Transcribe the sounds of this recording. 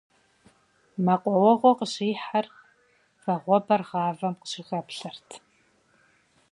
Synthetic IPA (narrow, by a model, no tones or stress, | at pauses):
mɐqʷʼɔwɔʁʷɔqəɕiːħar | fɐʁʷɔbɐrʁɑːvɐmqə̥ɕɪɣɐpɬɐrtʰ